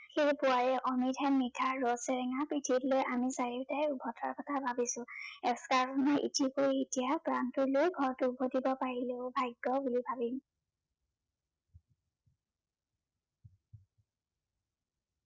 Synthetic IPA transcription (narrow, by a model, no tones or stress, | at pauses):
xejpʊwaɹɛʔɔmitʰɛnmitʰaɹɹɔsɛɹɛŋapɹitʰitlojʔamisaɹiɹtajʊbʱɔtʰa̰ɹkɔtʰabʱabisʊ̃ɛkskaɹkʰɔnɔʔḭtikoɹiitijakɹantʊɹlojɡʱɔɹtʊbʱodibɔpaɹileʊbʱajɡːɔbulibʱabim